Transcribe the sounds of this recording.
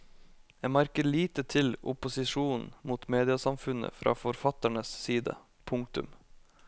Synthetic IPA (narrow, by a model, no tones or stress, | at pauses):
jæmæɾkəɭiːt̪ət̪ʰɪlʊpʊsɪʂuːnn̩muːt̪meːd̪ɪəsɑmfʉnə̰fɾʔɑ̰ːfɔɾfɑt̪æɳəssiːd̪ə̰ | pʰʊŋk̚t̪ʉ̰m